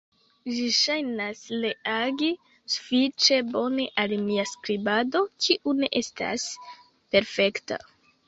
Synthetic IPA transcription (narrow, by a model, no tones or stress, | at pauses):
ʒiʃajnasleaɡi | su̥fit͡ʃe̞bo̞neʔalmiaskɾibado̞kʰiʔune̞ʔe̞sta̰s | pe̞ɾfe̞kta̰